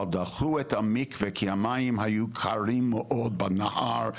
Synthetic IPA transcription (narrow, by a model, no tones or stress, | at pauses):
ld̪aχuɛt̪hamikvekʰiamajimhajukʰaɾimːeʔod̪̚banahaɾ